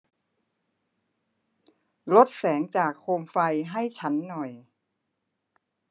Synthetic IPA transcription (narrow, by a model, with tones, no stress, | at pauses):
lo˦˥t̪̚sɛː˩˦ŋt͡ɕaː˨˩kʰːoː˧mfa˧jɦa˥˩jt͡ɕʰa˦˥nːɔ˨˩j